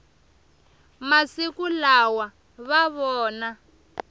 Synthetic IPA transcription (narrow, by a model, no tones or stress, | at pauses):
masikulawa | βaβɔːna